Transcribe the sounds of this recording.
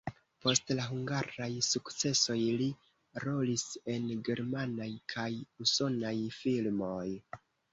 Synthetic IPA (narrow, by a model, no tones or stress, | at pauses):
po̞stlaɦuŋɡaɾajsukt͡se̞so̞jli | ɾo̞lise̞nɡe̞ɾmanajkʰajuso̞najfilmo̞j